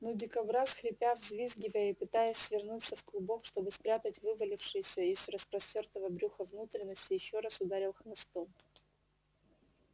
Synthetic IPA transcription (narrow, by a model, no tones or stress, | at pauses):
nodʲɪkɐbɾasxɾʲɪpʲavzʲvʲizɡʲɪvəjəipɨt̪ajəsʲvʲɪrnut̪səfklˠʊbo̞kʂt̪o̞bɨspɾʲat̪ətʲvɨvəlʲɪfʂɨjɪsʲəizrəspɾɐsʲtʲort̪əvəbɾʲuxəvnut̪ɾʲɪnːəsʲtʲɪjɪɕːo̞ɾasʊd̪aɾʲɪlˠxnɐst̪om